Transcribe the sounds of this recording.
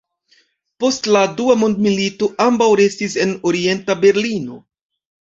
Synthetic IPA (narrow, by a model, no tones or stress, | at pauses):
po̞stladuamo̞ndmilito̞ʔambawɾe̞stise̞no̞ɾie̞ntabe̞ɾlino̞